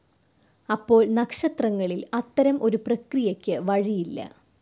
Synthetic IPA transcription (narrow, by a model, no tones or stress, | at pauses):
ɐpːo̞ːɭnɐkʂɐt̪rɐŋːɐɭilɐt̪ːɐɾɐmʔo̞ɾuprɐkrijɐkʲːɨʋɐɻijilːɐ̰